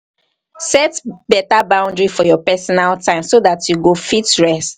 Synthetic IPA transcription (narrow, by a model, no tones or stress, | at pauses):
sɛtbɛtabãʊ̃ndɹifɔjɔpɛsɔnaltãɪ̃msoðatʰjuɡofitɹɛst